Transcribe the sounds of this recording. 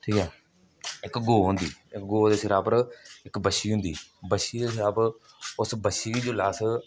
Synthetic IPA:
ʈʰiːkɛː | ɪkɡoːɦʊ̃nd̪iːɪkɡoːd̪eːsɪɾaːpəɾɪkbəʃiːɦʊ̃nd̪ḭːbəʃiːd̪eːsɪɾaːp | ʊsbəʃiːiːd͡ʒoːlaːs

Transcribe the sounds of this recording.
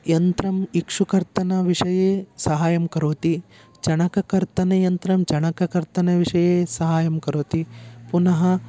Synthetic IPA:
jɐnt̪ɾɐmikʂukɐɾt̪ɐnɐʋiʂɐjeːsɐɦaːjɐmkɐɾoːt̪i | d͡ʒɐɳɐkɐkɐɾt̪ɐnɐjɐnt̪ɾɐmd͡ʒɐɳɐkɐkɐɾt̪ɐnɐʋiʂɐjeːsɐɦaːjɐmkɐɾoːt̪ipunɐɦɐ

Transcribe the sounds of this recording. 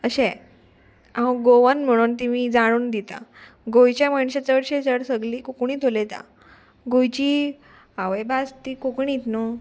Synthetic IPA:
əɕɛ̃ | ãɡoʋanm̤əɽ̃uːnt̪imiːd͡zaɽ̃uːnd̪it̪a̰ | ɡojt͡ɕjamaɳɕat͡səɽɕẽd͡zəɽsəɡliːkokuɽ̃iːt̪ʰolet̪a̰ | ɡojt͡ɕiː | aʋəjbast̪iːkokɳit̪no

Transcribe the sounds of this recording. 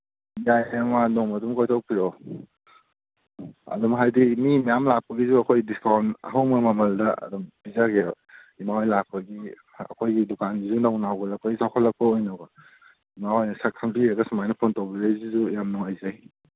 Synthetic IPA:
jajɐmanɔŋmɐdumkojtʰawpiɾɔ | ɐ̰dumɦajdimimijamlak̚pɐɡizuɐkʰojdiskawnɐ̰ɦawmɐmɐmɐldɐɐ̰dumbizaɡeɔ | imawajlak̚pɐɡi | ɐ̰kʰojɡidukanɡizunawnawɡalɐkpʰajisawkʰalːɐk̚pɐojnɔɡa | imawajnɐsakʰɐŋpiɾɐɡɐsumajnɐpʰontawbiɾajzizujamnɔŋajzaj

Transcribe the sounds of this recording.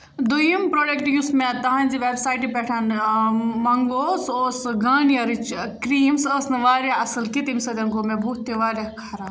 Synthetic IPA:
d̪ujimpɾoːɖekʈjusmẽt̪ɐɦãnʲd͡ʒiʋeːbsaːjʈipɛʈʰan | mɐŋɡoːsoːsɡaːnijɐɾit͡ʃkɾiːmsɐsnɨʋaːɾjaɐsɨlkit̪imisɐd̪ɐnkoːmẽbʱuːt̪ːeʋaːɾjakʰaɾaː

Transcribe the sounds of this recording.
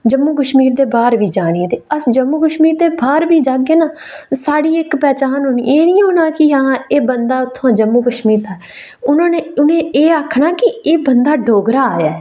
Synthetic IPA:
d͡ʒəmːuːkəʃmiːɾd̪eːbaːɾʋiːd͡ʒaːɽ̃id̪eːəsd͡ʒəmːuːkəʃmiːɾd̪eːbaːɾbiːd͡ʒaːɡeːnaː | saːɽiːɪkpɛːt͡ʃaːnɦonḭːeːnĩːɦoːnaːkɪɦãːeːbənd̪aːʊt̪ʰːõd͡ʒəmːuːkəʃmiːɾt̪aːɛ | ʊnãːneːʊnẽːʔeːaːkʰɳaːkɪeːbənd̪aːɖʱoːɡɾaːaːjaːɛ

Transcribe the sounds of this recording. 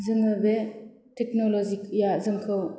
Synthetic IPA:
zɯŋɯbe | tek̚nɔlɔzikjazɯŋkʰɯw

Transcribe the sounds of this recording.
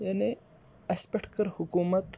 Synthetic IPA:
jane | ɐspekʈkəɾhukumət̪

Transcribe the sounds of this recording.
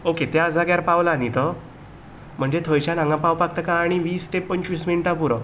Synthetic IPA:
oket̪jaəd͡zʱaɡjaɾpaʋlanit̪ə | m̤əɳd͡zet̪ʰojt͡ɕjanãŋɡãpawpak̚t̪əkãːɽ̃iʋiːst̪epəɲt͡ɕʋisminʈapuɾə

